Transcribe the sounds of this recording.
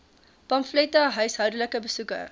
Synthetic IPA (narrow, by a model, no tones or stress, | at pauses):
pɐmflɛtɐɦœɥsɦœwdələkəbəsukə̰